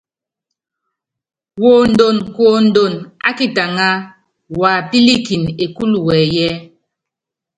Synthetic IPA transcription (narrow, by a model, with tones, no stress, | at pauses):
wo˨n̩˨do˨nkwo˦˨n̩˦do˨na̰˦ki˦ta˨ŋa˦ | wa˨pi˦li˦ki˨ne˨ku˦lwɛː˨jɛ˦